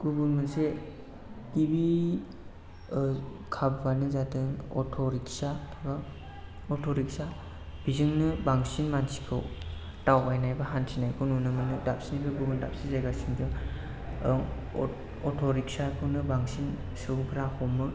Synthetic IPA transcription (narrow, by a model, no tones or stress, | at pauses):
ɡ̥ubuŋmɯnse | tibi | kʰabbanɯzadɯŋɔ̰tʰɔɾik̚saba | ɔtʰɔɾik̚sa | b̥izɯŋnɯbaŋsinmansi̥kʰɯw | tawbajnajbaɦansʰinajkʰɯnunɯmɯnɯdap̚sinibɯɡubunda̰p̚sizajɡasiŋdɯŋ | ɔtʰɔɾik̚sakʰɯwnɯbaŋsin | sɯpʰɾahʰɔmːɯ